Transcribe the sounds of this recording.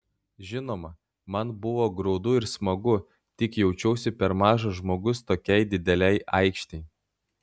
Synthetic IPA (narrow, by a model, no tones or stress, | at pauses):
ʒʲɪnoːmɐ | mɐnbʊʋoːɡɾɔʊd̪ʊɪɾsmɐɡʊ | t̪ʲɪkjɛʊt͡ʃʲɛʊsʲɪpʲɛɾmɑːʒɐʒmoːɡʊst̪oːkʲɛɪd̪ʲɪd̪ʲɛlʲɛɪʔɐˑɪkʃʲt̪ʲɛɪ